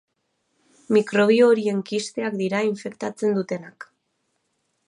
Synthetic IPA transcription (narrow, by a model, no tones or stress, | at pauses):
mikɾo̞β̞io̞ːɾie̞ŋkist̪e̞akd̪iɾaiɱfe̞kt̪at͡se̞nd̪ut̪e̞nak